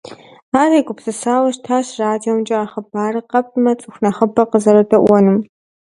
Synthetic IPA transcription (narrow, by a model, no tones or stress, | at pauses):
aːreːkʷʼʊpsɨsaːwɐʃtʰaːɕraːdijɛmt͡ʃʼɐaːχɐbaːrɨqɐp̚ʰʼmɐt͡sʼɨxʷnɐχɐbɐqəzɐɾɐdɐʔʷɔnɨm